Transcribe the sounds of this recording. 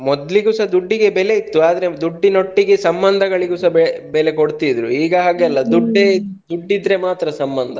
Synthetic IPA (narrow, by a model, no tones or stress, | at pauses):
mɔd̪liɡusɐd̪uɖːiɡe̞bɛle̞it̪ːuaːd̪ɐɾe̞d̪uɖːino̞ʈːiɡesɐmbɐnd̪ʱɐɡɐɭiɡusɐbɛbɛlekoɽt̪id̪ɾuiːɡɐɦaːɡeɐlːɐd̪uɖːed̪uɖːid̪ɾe̞maːt̪ɾɐsɐmbɐnd̪ʱɐ